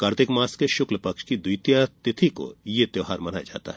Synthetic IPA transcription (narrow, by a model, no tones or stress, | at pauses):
kaːɾt̪ɪkmaːskeʃʊkləpɐkʃkid̪ʊjt̪jat̪ɪt̪ʰiko̰jet̪joːɦaːɾmɐnaːj̰d͡ʒa̰ːt̪a̰ɦɛ